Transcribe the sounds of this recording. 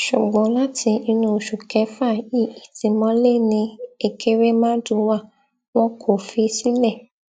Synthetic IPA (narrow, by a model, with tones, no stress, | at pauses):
ʃu˨ɡ͡bɔ̃˨˦la˦tʰi˧i˧nũ˧˨ʃu˨kɛ˨˦fa˦˨i˦˨i˨tĩ˨˧mɔ̃˦le˦nĩ˧e˧kʰe˦ɾe˦mã˦dũ˧˦wa˦˨ | w̃ɔ̃˦kʰo˦˨fi˧si˦lɛ˦˨